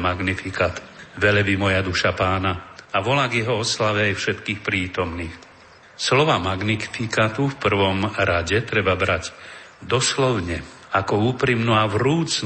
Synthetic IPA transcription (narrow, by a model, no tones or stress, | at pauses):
maɡnifikaːt̪ʋɛlɛbimɔjad̪uʃapaːnaaʋɔlaːɡjɛɦɔɔslaʋɛajfʃɛt̪kiːxpɾiːt̪ɔmniːx | slɔʋamaɡnifikat̪ufpr̩ʋɔmɾaɟɛt̪ɾɛbabɾaɟ | d̪ɔslɔʊɲɛ | akɔuːpɾimnuaʋɾuːt͡s